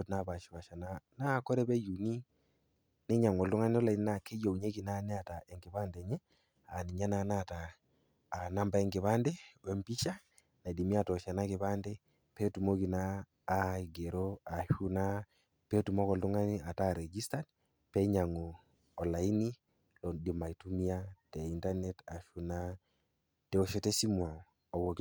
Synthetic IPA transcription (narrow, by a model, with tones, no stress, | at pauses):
tna˦ba˨ʃi˨wa˨ʃa˨na˦na˦˨kɔ˦ɾɛ˦pɛ˦ju˨ni˦ | nɛ˦ɲa˨ŋɔ˨ltu˦ŋa˦ni˦ɔ˦la˨i˦n˦na˦ke˦jo˨u˨ɲe˦ki˨na˦nɛ˦a˨ta˨ʔɛ˨ŋɡɪ˨ba˦ndɛ˨ɲɛ˦ | a˨ni˨ɲa˦na˨na˦˨taː˨ | na˦mba˦ɛ˦ŋɡɪ˨βa˦ndɛ˦wɛ˦mpi˦ʃa˦ | na˨di˨mi˦a˨tɔ˨ʃa˨na˦kɪ˨βa˦ndɛ˦ | pe˦tu˨mo˦ki˨naː˦ | i˨ɡe˨ɾoa˨ʃu˦na˦ | pe˦tu˨mɔ˦kɔ˨ltu˦ŋa˦ni˦a˨taɾe˨ɡi˦sta˦d̚ | pe˦ɲa˨ŋo˨ | ɔ˨la˨i˦ni˦ | lɔ˨di˨ma˨i˨tu˦mi˦a˦tɛ˨i˦nta˦neta˨ʃu˦na˦ | te˨o˨ʃe˦te˦si˦mwa˨ | ɔ˨wo˨k